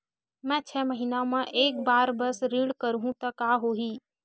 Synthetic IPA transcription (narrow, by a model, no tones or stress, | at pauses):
mɛ̃ːt͡ʃʰɛːməɦiːnamẽʔeːk̚baːɾbəsɾiːɽkəɾɦũt̪ɐkaːɦoːɦiː